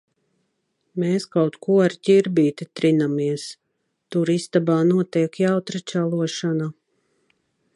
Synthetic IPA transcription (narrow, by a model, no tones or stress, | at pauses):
meːskawt̪kʰuɔaɾc̪ʲiɾbiːt̪it̪ɾinamiɛs | t̪uɾist̪abaːnuɔt̪iɛkjawt̪ɾat͡ʃʲalˠuɔʃana